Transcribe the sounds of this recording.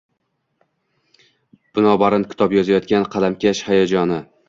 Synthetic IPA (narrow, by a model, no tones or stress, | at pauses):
b̥ɪnɒbaɾɪnkʲʰɪ̥t̪ʰɒpjɒzajɒt̪̚kʲanqʰɑlamkʲʰaʃhajad͡ʒɒnɪ